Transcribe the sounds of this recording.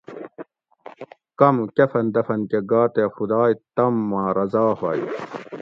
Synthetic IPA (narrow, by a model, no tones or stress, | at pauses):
kɐmkefɐnd̪ɐfɐnkeɡaːt̪efud̪aːjt̪ɐmːãːɾɐzaːhai